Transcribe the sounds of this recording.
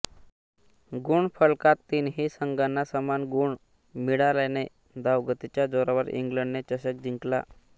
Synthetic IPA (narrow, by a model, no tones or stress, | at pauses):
ɡuɳfʰəɭkat̪ːiːnɦiːsəŋɡanːasəmanɡuɳ | miɽalane | d̪aʋɡət̪it͡ɕjad͡zoɾaʋəɾḭŋɡləɳɖnet͡ɕəɕək̚d͡ʑiŋkla̰